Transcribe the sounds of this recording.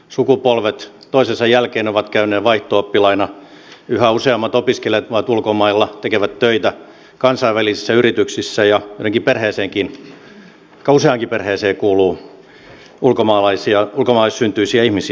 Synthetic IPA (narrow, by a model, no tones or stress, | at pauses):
sukupolʋet̪ | t̪oisesɑjælkeːnoʋɑt̪kæynˑeːʋɑiht̪oopːilɑinɑ | yhæuseɑmːɑt̪opiskeleʋɑt̪ulkomɑilːɑt̪ekeʋæt̪tøit̪æ | kɑnsɑiʋælisisːæyrit̪yksisːæjɑjot̪eŋkiperheːseːŋkin | kɑuseɑŋkiperheːseːkuːluː | ulkomɑːlɑisiɑulkomɑlɑissynt̪yisiæihmisi